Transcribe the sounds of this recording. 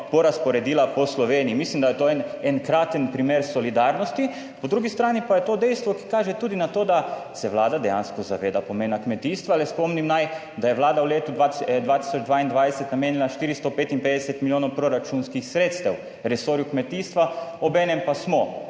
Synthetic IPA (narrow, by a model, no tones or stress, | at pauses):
pɔɾaspɔɾɛd̪iːlapɔslɔʋeːnijimislimd̪ajɛt̪oːnɛnkɾaːt̪ənpɾimeːɾsɔlid̪aːɾnɔst̪i | pɔd̪ɾuːɡist̪ɾaːnipajɛt̪od̪ɛjst̪ʋɔki̥kaːʒɛt̪uːd̪inat̪oːd̪asɛʋlaːd̪ad̪ɛja̰ːnskɔza̰ʋeːd̪apomeːnakmɛt̪iːst̪ʋaalɛspomnimnaj | d̪ajɛʋlaːd̪auleːt̪ud̪ʋat̪d̪ʋaːt̪i̥sɔd͡ʒd̪ʋaːind̪ʋaːd̪ɛsɛt̪nameːnjɛnaʃt̪iːɾist̪opeːt̪inpeːd̪ɛsɛt̪miljoːnɔwpɾoɾat͡ʃunskixsɾeːt̪st̪ɛw | ɾɛsoɾjukmɛt̪iːst̪ʋaobɛːnɛmpasmɔ